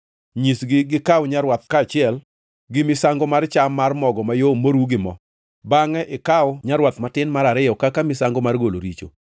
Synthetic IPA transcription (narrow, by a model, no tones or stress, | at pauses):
ɲisɡɪɡɪkawɲaɾwat̪̚kaːt͡ʃɪɛl | ɡɪmɪsaŋɡomart͡ʃamːarmɔɡɔmajomoɾuɡɪmɔ | baŋɛʔɪkaʊɲaɾwat̪matɪnmaɾaɾɪjɔkakamɪsaŋɡomarɡolo̰ɾit͡ʃo̰